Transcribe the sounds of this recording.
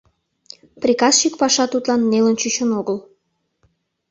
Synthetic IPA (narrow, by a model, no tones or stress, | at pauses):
prʲikɑsɕikpɑʃɑt̪ut̪lɑnːelənt͡ɕyɕənoɣəl